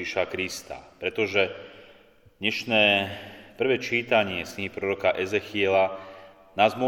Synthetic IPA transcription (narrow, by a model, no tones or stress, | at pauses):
iʃakɾist̪a̰pɾɛt̪ɔʒɛ | d̪̥ɲɛʃnɛːpr̩ʋɛːt͡ʃiːt̪aɲɪɛsɲiɦipɾɔɾɔkaʔɛzɛxɪɛla | naːzmɔ